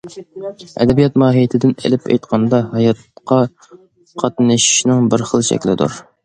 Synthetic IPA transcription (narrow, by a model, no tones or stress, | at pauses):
ɛ̰d̪ɛbijɑt̪mɑːɦijet̪ʰɪd̪ɪnḛlɪpʰḛjt̪qʰɑnd̪ɑɦɑjɑt̪̚qʰɑ | qʰɑt̪nɨʃi̥ʃnɨŋbɪɾχəlˠʃɛ̰kʲlɪd̪ṵɾ